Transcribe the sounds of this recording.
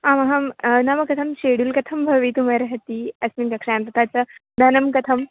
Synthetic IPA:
amɐɦɐmnamɐkɐt̪ʰɐmɕeɽuːlkɐt̪ʰɐmbʱɐʋit̪umaɾɦɐt̪iɐsminkɐkʂaːnt̪ɐt̪at͡səd̪ʱɐnɐmkɐt̪ʰɐm

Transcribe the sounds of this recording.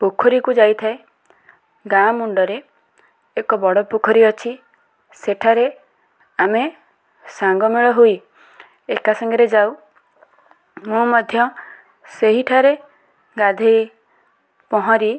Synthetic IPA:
pukʰɔɾikud͡ʒajt̪ʰae | ɡamuɳɖɔɾeː | kɔbɔɽɔpukʰɔɾiɔt͡ʃʰi | seʈʰaɾe | ame | saŋɡɔmeɭɔɦui | ekasɔŋɡɔɾed͡ʒaw | mũmɔd̪ʱjɔ | seɦiʈʰaɾe | ɡad̪ʱi | pɔɦɔ̃ɾi

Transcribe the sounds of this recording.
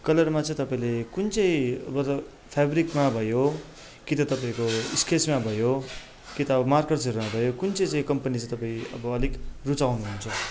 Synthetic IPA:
kʌlʌrmat͡sʌ̃ĩt̪ʌpaĩlekunt͡sʌĩʌbʌt̪ʌ | pʰabɾikmabʱʌjo | kit̪ʌt̪ʌpaĩkoiskʰesmabʱʌjo | kit̪ʌːbʌmarkeʈsʌɾumabʱʌjokunt͡sʌĩt͡sʌĩkʌmpʌnit͡sʌ̃ĩt̪ʌpaĩʌbʌʌlikrut͡sawnuɦunt͡sʰʌ

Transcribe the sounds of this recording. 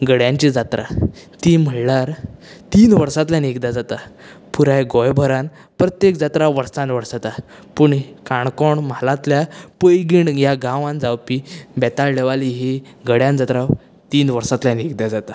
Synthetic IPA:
ɡəɽjãɲt͡ɕid͡zat̪ɾʔa̰t̪im̤əɽlaɾt̪iːnʋəɾsat̪laneɡd̪ad͡zat̪a | puɾajɡɔjbʱəɾãn | pɾət̪jekd͡zat̪ɾaʋəɾsãnʋəɽsat̪a | puɳkaɳkɔɳmalãt̪ljapəjɡiɳjaɡãʋãnd͡zawpibɛt̪aɭleʋaliɦe | ɡəɽjãnd͡zat̪ɾaw | t̪iːnʋəɾsat̪lanekd̪jad͡zat̪a

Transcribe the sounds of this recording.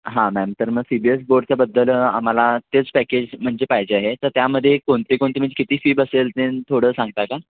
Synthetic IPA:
ɦãmɛmt̪əɾməɡsibies̬boɾɖt͡ɕjabəd̪ʱːəla̰m̤alat̪et͡spæked͡ʑm̤əɳd͡ʑepaɦjd͡ʑeaɦet̪əɾt̪jaməd̪ʱːjekoɳt̪ikoɳt̪iːm̤əɳd͡ʑekit̪iːfiːbəselt̪ent̪ʰoɽəːsãŋɡ̚t̪aka

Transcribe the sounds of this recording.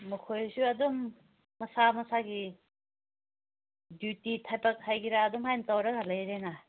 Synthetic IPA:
mukʰojsuɐdumː | ɐsamɐsaɡi | djutitʰajpɐk̚hajɡiɾaːdumhajnɐtɐwɾɐɡɐlɐjɾena

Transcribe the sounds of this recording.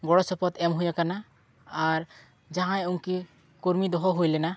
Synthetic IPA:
ɡɔɽɔsɔpɔt̪ɛmɦujakanaː | ɾ | d͡ʒaɦãjuŋki | kuɾmid̪ɔɦɔɦujlɛna

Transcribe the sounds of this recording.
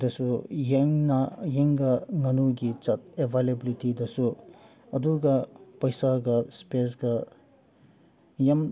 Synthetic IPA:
d̪ɐsujeŋnajeŋɡaŋɐnuɡit͡ʃɐt̪̚ebʱalebilitid̪ɐsu | ɐd̪uɡapɐjsaɡɐspes̬ɡa | jam

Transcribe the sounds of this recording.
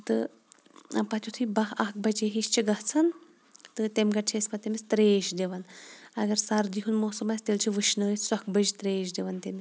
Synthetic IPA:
t̪ɨ | pɐt̪ʰʲut̪ʰuibɐɦɐk̚bɐd͡ʒeɦiʃt͡ʃʰiɡɐɦt͡sʰɐn | t̪ɨt̪emɡɐt͡ʃʰesʲpɐt̪emist̪ɾeːʃd̪ʲeʋɐnɐɡɐɾsɐɾd̪iɦunmoːsɐmɐsʲt̪elt͡ʃʰiʋɨʃnɨisɐkbəd͡ʒt̪ɾeːʃd̪eʋɐnt̪emʲi

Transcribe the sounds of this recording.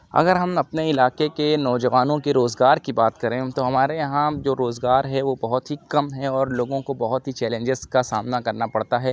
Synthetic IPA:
ɐ̰ɡəɾɦɐmɐpneɪlaːqekenɔːd͡ʒɐʋaːnõkeɾoːzɡaːɾkibaːt̪kɐɾẽːt̪oɦɐmaːɾejɐɦãd͡ʒoːɾoːzɡaːɾɦɛʋobɐɦʊt̪ɦikɐmɦɛɔːɾloːɡõkobɐɦʊt̪ɦit͡ʃɛːlẽɲd͡ʒɪzkasaːmnakɐɾnapɐɽt̪aɦɛː

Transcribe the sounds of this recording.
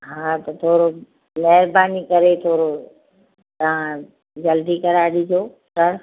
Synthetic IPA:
ɦaːt̪ɐt̪ʰoːɾo | mɐɦɪɾbaːnikɐɾet̪ʰoːɾo | t̪ɐʋ̤ã | d͡ʑɐld̪ikɐɾaːɗid͡ʑoː | sɐɾ

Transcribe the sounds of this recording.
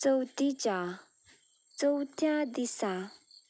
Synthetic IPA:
t͡səwt̪it͡ɕa | t͡səwt̪jãd̪isa

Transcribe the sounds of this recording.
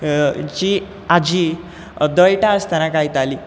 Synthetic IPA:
d͡ʑi | ad͡ʑi | d̪əjʈast̪anakajt̪aliː

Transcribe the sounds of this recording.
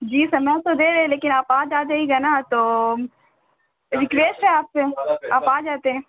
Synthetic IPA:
d͡ʒiːsɐmɛt̪od̪eːɾɛɦɛ̃leːkɪnaːpaːd͡ʒaːd̪eɦiɡanat̪oː | ɾɪkʋeːsʈɦɛaːpseaːpaːd͡ʒaːt̪eɦɛ̃ː

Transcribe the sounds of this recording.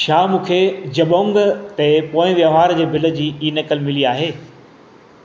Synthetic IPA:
ʃaːmũːkʰed͡ʑɐɓõːŋɡt̪epoːɪ̃ʋjəɦaːɾd͡ʑeːbʱɪlə̆d͡ʑiːiːnɐkəlmɪliaːɦeː

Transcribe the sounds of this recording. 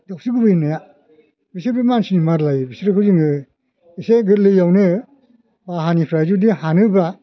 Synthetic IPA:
dɔk̚siɡubɯjinaja | bisɯɾbimansinimaɾlajbisiɾɯkʰɯziŋɯ | iseɡɯɾlɯjawnɯ | baɦanipʰɾajzudihanɯba

